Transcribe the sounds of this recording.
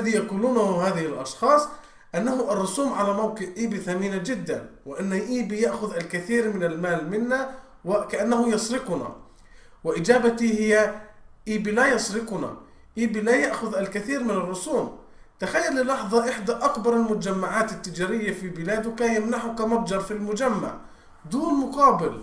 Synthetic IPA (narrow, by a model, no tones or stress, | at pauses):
aðijaquːluːnhhaːðɪhɪlʔɑ̰ʃxɑːsˤ | ʔanːaɦʊʔɑrˤːʊsuːmʕalamawqɪʕʔiːbiθamiːnad͡ʒɪd̪ːa̰nwɪʔanːaʔiːbijaʔxʊðʔalkɪθiːɾmɪnalmaːlmɪnːa | wɪkaʔanːahʊjɑsɾɪqʊna̰ | wɪʔɪd͡ʒaːbat̪ihɪjːaʔiːbilajɑsˤɾɪqʊna̰ | ʔiːbilajaʔxʊðalkaθiːɾmɪnɑrˤːʊsuːm | t̪axajːalːɪlɑħðˤɑʔɪħd̪aʔakbɑɾˤalmʊt̪ad͡ʒamːaʕaːt̪ɪt̪ːɪd͡ʒaːɾɪjːafibɪlaːd̪ʊkajamnaħʊkamɑb̚ˤd͡ʒɑɾˤfilmʊd͡ʒamːa̰ʕ | d̪uːnmʊqɑːbɪl